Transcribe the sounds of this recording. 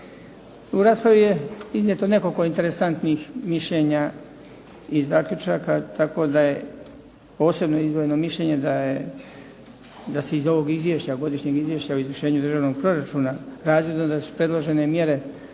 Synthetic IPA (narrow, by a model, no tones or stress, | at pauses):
uɾaːspɾaʋije̞iznjet̪o̞ne̞koko̞int̪e̞ɾesant̪nixmiʃʎe̞ːɲa | izaːkʎut͡ʃaːkat̪ako̞d̪aje̞ | po̞ːse̞bnoizʋojeno̞miʃlʎe̞ːɲe̞d̪aje | d̪ase̞izo̞ʋo̞ɡizʋjeʃt͡ɕaɡo̞d̪iʃɲe̞ɡizʋjeʃt͡ɕaoizʋər̩ʃe̞ːɲud̪r̩ʒaːʋno̞ɡ̚pɾo̞ɾat͡ʃuːnaɾaːzjed̪nod̪asu̥pɾe̞d̪lˠo̞ʒe̞nemje̞ɾe̞